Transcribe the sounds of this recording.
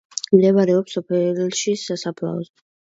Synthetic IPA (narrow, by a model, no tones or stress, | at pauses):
md̪ɛvaɾɛɔpsɔpʰɛɾilʃisasapʰla̰ɔs